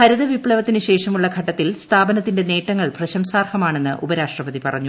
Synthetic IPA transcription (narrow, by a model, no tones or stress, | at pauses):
hɐɾiðɐʋipɭɐʋɐt̪ːinɨɕe̞ːʂɐmuɭːɐɡʱɐʈːɐt̪ːilst̪ʰaːbɐnɐt̪ːinde̞ne̞ːʈːɐŋːɐɭprɐɕɐmsaːrhɐmaːɳe̞nːɨʔubɐɾaːʂʈrɐpɐðipɐ̰rɐɲːu